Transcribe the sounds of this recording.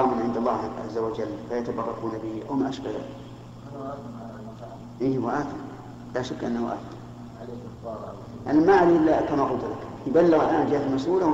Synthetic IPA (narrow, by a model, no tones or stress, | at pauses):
mɪnʕɪnd̪alˤːɑːhʕa̰zːawad͡ʒalːfajat̪abɑrˤːɑkuːnabɪhiʔawmaʔaʃbaða̰ːlɪk | ʔiːhwaʔaːθɪn | laʃakːʔa̰nːahʊʔa̰ːθ | ʔanamaʕaliːʔlːakamaqʊlt̪lak | jbalːɪɣalʔaːnd͡ʒɪhat̪ɪlmɑsʔuːla